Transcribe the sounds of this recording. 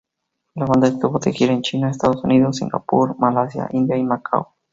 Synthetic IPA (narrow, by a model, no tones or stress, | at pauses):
laβand̪aest̪uβot̪exjeɾaent͡ʃinaes̬t̪aðosuniðosːiŋɡa̰puɾmalasja̰ʔind̪jaimakʰa̰w